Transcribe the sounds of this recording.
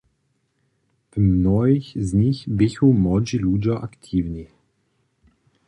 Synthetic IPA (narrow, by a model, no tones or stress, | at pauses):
vmnɔixzɲixbɪçumɔd͡ʒilud͡ʑaʔakt̪ʰiːvni